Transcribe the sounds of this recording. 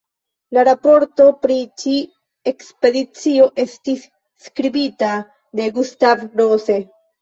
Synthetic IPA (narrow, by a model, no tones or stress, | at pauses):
laɾapo̞ɾto̞pɾit͡ʃi | e̞kspe̞dit͡sio̞ʔe̞stisː | kɾibita | de̞ɡustavɾose̞